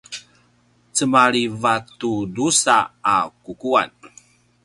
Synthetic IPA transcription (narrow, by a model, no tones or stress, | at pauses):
t͡səmaɾivatudusaakukua̰n